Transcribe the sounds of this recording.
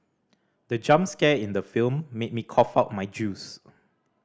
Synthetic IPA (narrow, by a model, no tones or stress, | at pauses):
dəd͡ʒãmskɛɪ̃ndəfilmːet̚mikʰɔfaʊt̚maɪd͡ʒuːs